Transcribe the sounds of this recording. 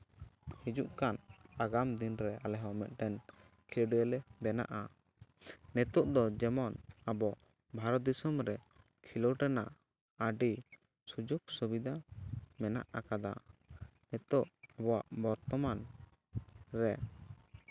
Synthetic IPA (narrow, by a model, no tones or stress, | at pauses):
hid͡ʒuʔkanaɡamd̪inɾɛalɛɦɔmɛt̪̚ˀʈɛn | kʰilɔɖɔjɛlɛbɛna̰ʔa | nɛt̪ɔʔd̪ɔd͡ʒɛmɔnabɔ | bʱaɾɔd̪isɔmɾɛ | kʰilɔʈɛnaʔ | aɖi | sud͡ʒɔksubid̪amɛna̰ʔakad̪a | nɛt̪ɔʔabɔwaʔbɔɾt̪ɔman | ɾɛ